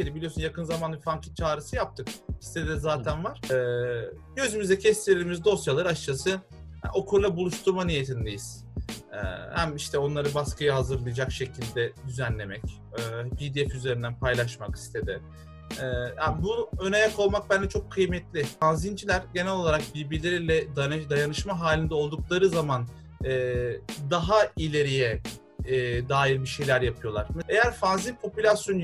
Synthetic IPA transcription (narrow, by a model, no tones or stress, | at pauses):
eɾʲibilʲiosunjakʰɯnzamanbifaŋcʰi̥t͡ʃʰaːɾɯsɯjap̚t̪ʰɯkist̪ʰed̪zaːænvaɾ̥ | ɟø̞zymyzɛcʰɛst̪ʰelʲiɾimizd̪o̞sjalˠɯɾaʃt͡ʃʰasɯ̰ | o̞kʰuɾlˠabulˠuʃt̪ʰuɾmanije̞t̪ʰind̪ejiz̥ | ɛ̰hæmiʃt̪ʰɛo̞nlˠaɾɯbaskɯjaɦazɯɾlˠɯjad͡ʒakʃe̞cʰilʲd̪ɛd̪yzænlʲe̞mɛcː | bid̪iɛfyze̞ɾind̪ænpʰajlˠaʃmaki̥st̪ʰe̞d̪ɪ | ɛːjabuønɛjakʰo̞lˠmak̚bænd͡ʒ̪ɛt͡ʃʰo̞kʰːɯjmɛt̪lʲɪanzind͡ʒilʲæɾɟe̞nɛlʲˠo̞lˠaɾak̚biɾbiɾlʲeɾilʲɛd̪ad̪ajanɯʃmaɦaːlʲind̪ɛo̞lˠd̪uklˠaɾɯzaman | ɛːd̪aɦailʲe̞ɾijɛː | d̪aːjiɾbiʃe̞jlʲæɾjapʰɯjo̞lˠaɾme̞jæɾfanzinpʰo̞pylʲasjo̞n